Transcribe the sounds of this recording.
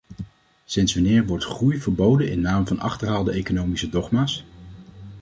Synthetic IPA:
sɪnsʋɑnɪːɹʋɔɹtχrujvəɹbowdənɪnːaːmvɑnɑ̰χtəɹɦaːlˠdəejkonowmisədɔχmaːs

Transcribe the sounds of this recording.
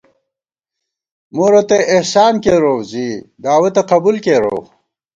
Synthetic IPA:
muɾot̪eʔihsaːnkeɾoːwzid̪aːwet̪ɐqɐbulkeːɾo̰ːw

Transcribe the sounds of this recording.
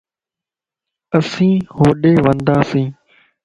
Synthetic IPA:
əsĩːhoːɗeːʋə̃nd̪aːsĩː

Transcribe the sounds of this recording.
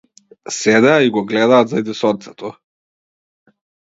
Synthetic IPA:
sɛd̪ɛaiɡɔɡlɛd̪aːt̪zad̪isɔtt̪sɛt̪ʰɔ

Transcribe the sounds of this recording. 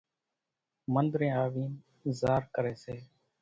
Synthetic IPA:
mənd̪ɾẽːaːʋiːn | zaːɾkəɾeːseː

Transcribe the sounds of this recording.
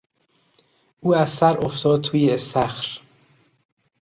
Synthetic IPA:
ʔuːæzsæɾoft̪ʰɒːd̪̚t̪ʰuːjeːst̪æxɾ

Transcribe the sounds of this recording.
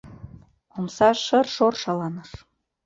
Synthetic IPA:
omsɑʃɤ̆rʃorʃɑlɑnəʃ

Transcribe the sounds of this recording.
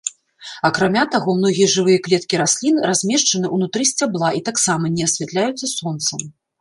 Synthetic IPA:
ɐkɾamʲat̪aɣɔmnɔɣʲijɐʐɨvɨjɐklʲɛt̪kʲiɾasʲlʲinrazʲmʲɛʂt͡ʂɐnɨʔunut̪ɾɨsʲt͡sʲablˠaʔit̪aksamɐnʲɛasʲvʲɛt̪lʲajut̪sːɐsɔnt̪sɐm

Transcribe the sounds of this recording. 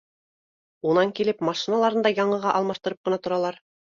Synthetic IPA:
unɑŋkilɘpmɑʃinɑlˠɑɾɤnd̪ɑjɑɴɤ̆ʁɑʔɑlˠmɑʃt̪ɤ̆ɾɤp̚qɤ̆nɑt̪ŏɾɑlˠɑɾ

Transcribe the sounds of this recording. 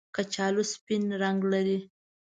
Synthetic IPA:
kat͡ʃɑluspinɾaŋɡlaɾi

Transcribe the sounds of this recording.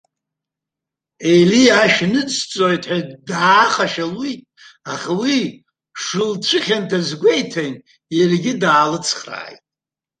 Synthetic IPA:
ejliaʃnɨt͡st͡sʼojtʰʼħadaːχaʃalitʼ | aχawi | ʂɨlt͡ʃʷʰɨχʲantʰazɡʷejtʰan | jarɡʲɪdaːlɨt͡sʰχra̰ːjtʼ

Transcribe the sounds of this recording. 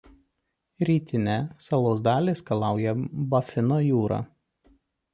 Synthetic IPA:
ɾʲiːt̪ʲɪnʲɛsɐlˠoːsd̪ɑːlʲeːskɐlˠɑˑʊjɛbɐfʲɪnoːjuːɾɑ̰ː

